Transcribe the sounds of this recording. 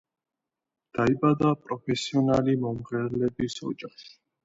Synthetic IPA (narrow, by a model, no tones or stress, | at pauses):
d̪̥aibad̪apʼɾɔpʰɛsiɔnalimɔmʁɛɾlɛbisɔ̰d͡ʒaχʃ